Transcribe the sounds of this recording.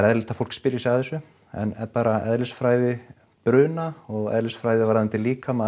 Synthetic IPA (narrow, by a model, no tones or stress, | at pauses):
ɾɛðlɪt̪ḁfowl̥kspɪːɾjɪsɛaθɛsːʏ | ɛ̰nɛ̰ɾpaːɾaɛðlɪsfɾaːjðɪ | pɾʏːnaɔɣɛ̰ðlɪsfɾaːjðɪvaɾðɛnt̪ɪliːkama